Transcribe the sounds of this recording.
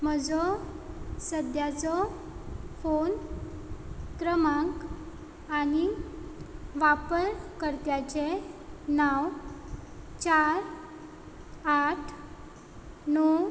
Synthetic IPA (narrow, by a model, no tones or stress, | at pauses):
m̤əd͡zɔ | səd̪jat͡sɔ | fon | k̪ɾəmãk | ani | ʋapəɾkəɾt̪jat͡ɕenaw | t͡ɕaɾ | aʈʰ | nɔ